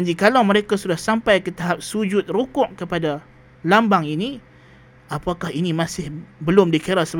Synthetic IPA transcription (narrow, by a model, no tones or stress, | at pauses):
ɲd͡ʒikalawməɾekasudahsampajkət̪aɦap̚sud͡ʒʊt̪̚rukʊʔkəpada | lambaŋini | apakahinĩmãsɪhbəlʊmdikəɾasə